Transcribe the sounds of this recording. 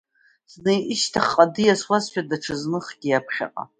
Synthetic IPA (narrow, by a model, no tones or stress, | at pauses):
z̥nejʔɪʃtʰaχqʼadɨjaswazʃᶣadaʈ͡ʂʰɨznɨχɡ̥ʲijapʰχʲa̰qʼa̰